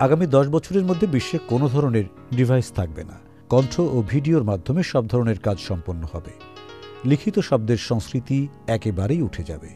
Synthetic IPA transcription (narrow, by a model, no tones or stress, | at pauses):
aɡamid̪ɔʃ̬bɔt͡ɕʰoɾeɾmod̪ʱːebiʃːekonod̪ʱɔɾoneɾ | ɖibʱajst̪ʰak̚bḛna̰ | kɔnʈʰoʔobʱiɖioɾmad̪ʱːomeʃɔb̚d̪ʱɔɾoneɾkad͡ʑʃɔmponːohɔbe | likʰit̪oʃɔb̚d̪eɾʃɔŋskɾit̪i | ɛkebaɾejuʈʰed͡ʑa̰be